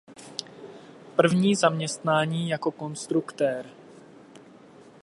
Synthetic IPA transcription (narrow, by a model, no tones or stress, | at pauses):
pr̩vɲiːzamɲɛst̪naːɲiːjako̞ko̞nst̪ɾukt̪ɛɾ